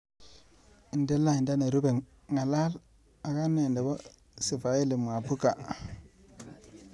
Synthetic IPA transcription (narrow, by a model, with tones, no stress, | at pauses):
i˨nde˦la˦i˨nda˦ne˨ɾu˦be˨ŋ | ŋa˨la˦l | a˨ka˦nːe˨nde˨bo˦ | si˨fa˨i˦li˨m˨a˨pu˦ka˨